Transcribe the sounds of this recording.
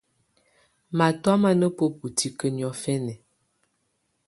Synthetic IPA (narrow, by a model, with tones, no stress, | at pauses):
ma˨tɔ˦ma˦nə˦po˦pu˨tʰi˦kə˦n˨ɔ˦fɛ˦nɛ˨